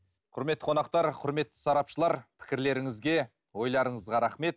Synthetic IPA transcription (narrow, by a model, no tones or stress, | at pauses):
qʰʊɾmet̪ːəqʰonɑqt̪ɑɾqʰʊɾme̞t̪ːɪ̥sɑɾɑpʃəlˠɑɾpʰɪ̥kʲɪɾle̞ɾɪŋɪzɡʲe̞ | wo̞jlˠɑɾəɴəzʁɑɾɑχme̞t̪